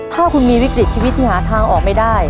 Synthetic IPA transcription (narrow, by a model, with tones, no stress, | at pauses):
t̪ʰaː˥˩kʰu˧nmiː˧wi˦˥k̚ɾi˨˩t͡ɕiː˧wi˦˥t̪ʰːiː˥˩ɦaː˩˦t̪ʰaː˧ŋʔɔː˨˩k̚ma˥˩jdaː˥˩j